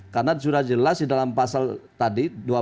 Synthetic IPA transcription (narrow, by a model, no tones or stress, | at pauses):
karnasuɾahd͡ʒəlasdidalampasalt̪adidua